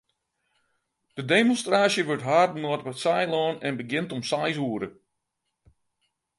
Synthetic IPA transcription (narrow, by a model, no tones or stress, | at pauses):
d̥ədeːmɔnstraːsjəʋøɹtɦaːrtnɔətʋɛsajlɔːnɛnbəɡɪntɔmsajs̬uːəɾə